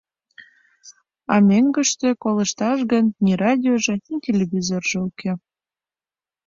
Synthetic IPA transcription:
ɑmeŋɡəʃt̪ĕkoləʃt̪ɑʃɣənːʲirɑdʲioʒĕnʲitʲelʲeβʲizorʒeukʰe

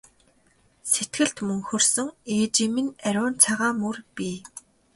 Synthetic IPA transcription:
set̪ɡɘ̆ɬt̪mɵŋxɵrsɵ̆ŋeːt͡ɕĭːmɘ̆næɾʲʊːnt͡sʰaʁaːmɵrpiː

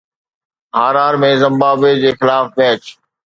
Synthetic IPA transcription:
ɦaːɾaːɾmẽzɪ̃mbaːbed͡ʑeːxɪlaːfbɛːt͡ɕ

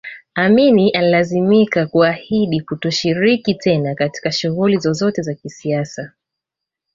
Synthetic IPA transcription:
aminiʔanilazimikakuahiɗikutɔʃiɾikitɛnakati̥kaʃuɣulizɔzɔtɛzakisiasa

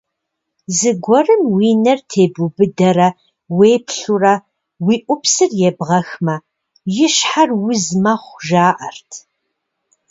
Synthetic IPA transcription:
zɨɡʷɔrɨmwiːnɐrtʰeːbʊbɨdɐrɐ | weːpʰɬurɐ | wiːʔʷʊpsɨrjɛbʁɐxmɐ | jɪɕħarwʊzmɐχʷʒaːʔɐrtʰ

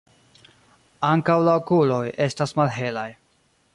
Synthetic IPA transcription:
aŋkawlaokulo̞je̞stasmalɦe̞laj

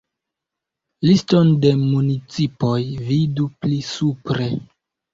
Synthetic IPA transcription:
listo̞nde̞munit͡sipo̞jviduplisupɾe̞

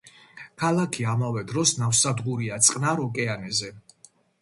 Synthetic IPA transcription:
kʰalˠakʰiamavɛd̪ɾɔsnafsad̪ʁuɾiat̪sʼqʼnaɾɔkʼɛanɛzɛ

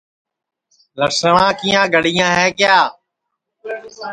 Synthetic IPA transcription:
ləɾsəɳãːkiːjãːɡəɽɪjãːɦɛːkjaː

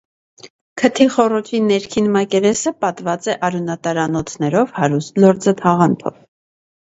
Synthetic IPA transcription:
kʰət̪ʰiχɔrɔt͡ʃʰinɛɾkʰinmɑkɛvɛsəpɑt̪vɑt͡sɛʔɑɾunɑt̪ɑɾɑnɔt͡sʰnɛɾɔvhɑɾust̪lɔɾd͡zət̪ʰɑʁɑnt̪ʰɔ̰v

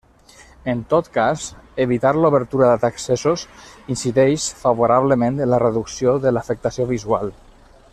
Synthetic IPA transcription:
ənt̪ot̪kazəβit̪aɾluβəɾt̪uɾəðət̪aksesosinsiðɛʃfaβ̞oɾaβləmẽnt̪ənlərəðuksioðələfək̚t̪asioβizua̰lˠ

